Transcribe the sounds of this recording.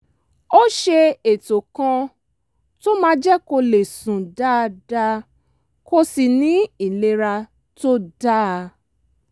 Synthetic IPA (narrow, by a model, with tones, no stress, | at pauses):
o˦ʃe˧e˨to˨kã˧ | to˦mãː˦d͡ʒɛ˦ko˧le˨sũ˨da˦˧da˦ | ko˧si˨nĩ˨˦i˨le˧˦ɾa˧ | to˦da˦˨˧